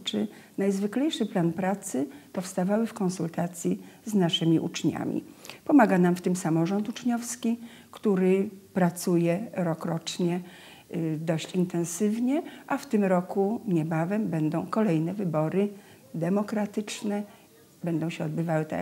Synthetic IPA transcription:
t͡ʂɘ | najzvɘklɛjʂɘplanpɾat̪sɘpɔfst̪avawɘfkɔ̃nsult̪at̪sʲjiznaʂɘmʲiʔṵt͡ʂɲa̰mʲḭpɔmaɡanamft̪ɘmsamɔʐɔnt̪ut͡ʂɲɔfskʲi | kt̪uɾɘpɾat̪sujɛɾɔkɾɔt͡ʂɲɛ | d̪ɔɕt͡ɕint̪ɛ̃ñsɘvɲɛʔaft̪ɘmɾɔkuɲɛbavɛmbɛnd̪ɔ̃w̃kɔlɛjnɛvɘbɔɾɘ | d̪ɛmɔkɾat̪ɘt͡ʂnɛ | bɛnd̪ɔ̃w̃ɕɛɔd̪̚bɘvawɘt̪ɛ̰

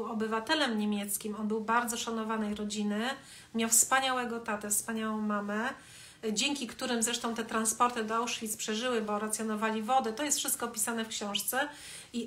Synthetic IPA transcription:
ɔbɘvat̪ɛlɛmɲemʲjɛt̪skʲimɔnbɘwbaɾd̪zɔʂanɔvanɛjɾɔd͡ʑinɘ | mʲjawfspaɲawɛɡɔt̪at̪ɛfspaɲawɔ̃w̃mamɛ | d͡ʑɛŋʲkʲikt̪uɾɘmzɾɛʂt̪ɔ̃t̪ɛt̪ɾanspɔɾt̪ɘd̪awʂfʲispʂɛʐɘwɘbɔɾat̪sʲjɔnɔvalʲivɔd̪ɛt̪ɔjɛst̪fʂɘst̪kɔpʲi̥sanɛfkɕɔ̃w̃ʂt̪sɛ | i

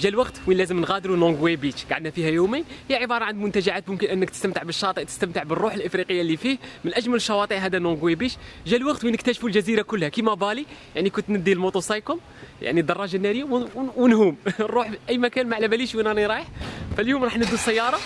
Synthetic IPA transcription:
ʒælwɑɡt̪winlæzəmnɣæd̪ɾunoɡwebit͡ʃɡaʕəd̪næfihæjumenhəjːʕəbɑɾˤɑʕand̪mʊnt̪æʒaʕat̪mʊmkənʔənːəkt̪əst̪əmt̪əʕbəʃːɑt̪ˤəʕt̪ə̥st̪əmt̪əʕbərˤːuħəlʔəfɾiqəjːalːifihmənʔæʒmæləʃːɑwɑt̪ˤəʕɦæd̪ænoɡwebit̪ʒælwɑɡt̪winəkt̪æʃfulʒæziɾakʊlːhækimæbɑlijaʕnikʊnt̪nəd̪ːilmot̪ˤusˤɑjkʊm | jʔa̰ʕnid̪ɑrˤːɑʒanːæɾəjːawwənhumrˤːuħʔæjːmækænmaʕlæbæliʃwinɑniɾˤɑjəħfæljumɾˤɑħnəd̪ːusˤːæjːɑɾˤɑ

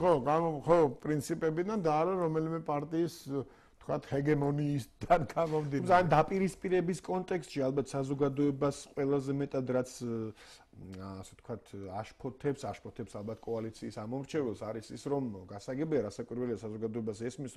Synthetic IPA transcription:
ɔɡaχɔpʼɾint̪sʰipʼɛbid̪and̪aːɾaɾɔmɛlimɛpʼaɾt̪ʼiːs | t̪ʰkʰwat̪ʰhɛɡɛmɔniːsd̪anɡamɔmd̪imamd̪apʼiɾispʼiɾɛbiskʼɔnt̪ʼɛkst̪ʼʃialˠbat̪ʰsazɔɡad̪ɔɛbasqʼwɛlˠazɛmɛt̪ʼad̪ɾat̪sʰ | asɛt̪kʰwat̪ʰaʃpʰɔt̪ʰɛpsaʃpʰɔt̪ʰɛpsalˠbat̪ʰkʼɔalit̪sʰiːsamɔmɾt͡ʃʰɛvɛlˠsaɾisisɾɔmɡasaɡɛbiaɾasakʼwiɾvwɛliasazɔɡad̪ɔɛbasɛsmis

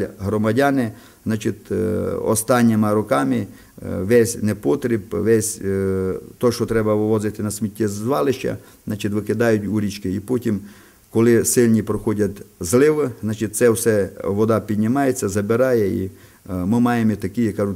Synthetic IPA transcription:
ɦɾɔmɐdʲanɪ | znɑt͡ʃɪt̪ʲɔ̰st̪ɑnʲːemɐɾɔkɑmɪ | ʋɛsʲnɛpɔt̪ɾʲɪbʋɛsʲ | t̪ɔʃt͡ʃɔt̪ɾɛbɐʋɪʋɔzɪt̪ɪnɐsʲmʲitʲːɛzʋɑlˠɪʃt͡ʃɐ̰ | znɑt͡ʃɪt̪ʋɪkɪd̪ɑjʊtʲuɾʲit͡ʃkɪipɔtʲim | kɔlˠɪsɪlʲnʲipɾɔxɔdʲɐt̪ʲzlˠɪʋɪznɑt͡ʃɪt̪̚ʲtsɛwsɛʋɔd̪ɑpʲidʲnʲɪmɑjet͡sʲːɐzɐbɪɾɑjɛḭ | mɪmɑjemit̪ɐkɪjɛkɑʒʊ

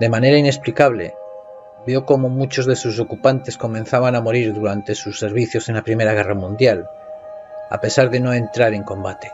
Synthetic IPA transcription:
d̪e̞mane̞ɾaine̞splikaβ̞le̞̰ | bjo̞ko̞momut͡ʃo̞zðe̞sus̬o̞kupant̪e̞sko̞mẽnθaβanamo̞ɾiɾðuɾant̪e̞susːe̞ɾβ̞iθjo̞se̞napɾime̞ɾaɣ̞e̞ramũnd̪jal | a̰pe̞saɾðe̞no̞e̞nt̪ɾaɾe̞ŋkõ̞mbat̪e̥

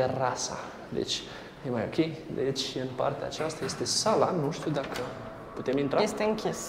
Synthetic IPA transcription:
erasa̰ | d̪ḛt͡ʃʲ | je̞majo̞̰kʲe̞jd̪e̞t͡ʃʲɨnpa̰rt̪ea̰ːt͡ʃast̪aje̞st̪e̞salanuʃt̪iwd̪akʰə | put̪e̞mint̪ɾaest̪eɨŋkʲes

